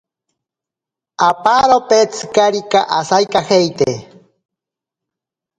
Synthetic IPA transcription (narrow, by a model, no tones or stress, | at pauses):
apaɾopet͡sʰɨ̥kaɾika̰ʔasajkahejt̪e